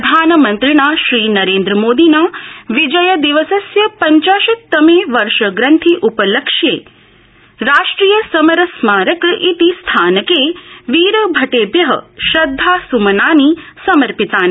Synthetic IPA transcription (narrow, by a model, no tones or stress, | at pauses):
d̪ʱaːnəmɐnt̪ɾiɽ̃aːʃɾiːnɐɾeːnd̪ɾəmoːd̪inaːʋid͡ʒɐjɐd̪iʋəsɐsjɐpɐɲt͡ʃaːʃɐt̪ɐmeːʋɐɾʃɐɡɾɐnt̪ʰiʔupɐləkʃjeː | ɾaːʃʈɾiːjəsɐmɐɾɐsmaːɾəkʔit̪ist̪ʰaːnəkeːʋiːɾəbʱɐʈeːbjɐɦə̰ʃɐd̪ʱːaːsumɐnaːnisɐməɾpit̪aːn